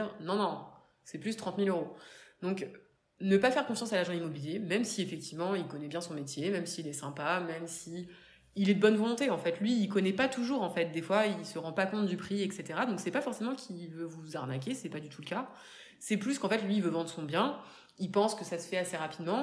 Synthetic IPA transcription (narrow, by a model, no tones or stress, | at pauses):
nɔ̃nɔ̃ | sɛplyst̪χɑ̃t̪miløʁod̪ɔ̃k | nəpafɛʁkɔ̃fjɑ̃salaʒɑ̃imɔbiljemɛmsiefɛk̚t̪ivmɑ̃ilkɔnɛbjɛ̃sɔ̃met̪jemɛmsiːlɛsɛ̃pamɛmsiː | lɛd̪əbɔnvɔlɔ̃t̪eɑ̃fɛt̪lɥiːlkɔnɛpat̪uʒuʁɑ̃fɛt̪̚d̪efwailsəʁɑ̃pakɔ̃t̪̚d̪ypχiɛkset̪eʁad̪ɔ̃ksɛpafɔʁsemɑ̃kʲʰivøvuzaʁnak̬ʲesɛpad̪yt̪ʰuləka | sɛplyskɑ̃fɛt̪lɥiːvøvɑ̃d̪ʁəsɔ̃bjɛ̃ | ilpɑ̃skəsasə̥fɛaseʁapid̪mɑ̃